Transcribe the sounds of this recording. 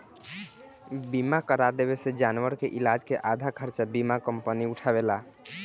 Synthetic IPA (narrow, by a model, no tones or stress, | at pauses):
bimakəɾad̪eβesed͡ʒanwəɾkeʔilad͡ʒkeʔad̪ʱakʰəɾt͡ʃabimakəmpəniuʈʰaβela